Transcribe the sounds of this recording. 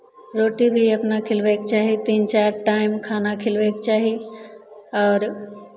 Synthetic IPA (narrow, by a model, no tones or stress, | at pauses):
ɾoːʈibʱiɐpnakʰɪlʋeːkt͡ɕaːɦit̪iːnt͡ɕaːɾʈaːɪmkʰaːnakʰɪlʋeːkt͡ɕaːɦi | ɔːɾ